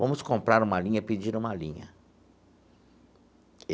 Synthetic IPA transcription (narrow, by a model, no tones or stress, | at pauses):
vɐ̃mʊskõmpɾaɾũmɐlĩɲɐpid͡ʒĩɾũmɐlḭ̃ɲɐ̰